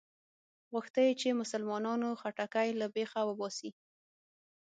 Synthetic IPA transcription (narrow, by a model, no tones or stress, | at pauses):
ɣʊxt̪əjet͡ʃemʊsalmɑnɑnoxaʈakajlabexawəbɑsi